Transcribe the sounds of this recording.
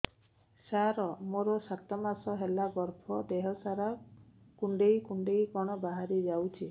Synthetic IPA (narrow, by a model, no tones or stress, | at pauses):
saɾɔmoɾɔsat̪ɔmasɔɦelaɡɔɾpʰɔd̪eɦɔsaɾa | kuɳɖejkuɳɖejkɔɽ̃ɔbaɦaɾid͡ʒawt͡ʃʰi